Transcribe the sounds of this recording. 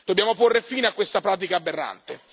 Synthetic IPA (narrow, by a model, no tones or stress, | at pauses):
d̪̥obːjaːmoporːefiːneakwest̪apɾaːt̪̬ikaːbːerːa̰nt̪e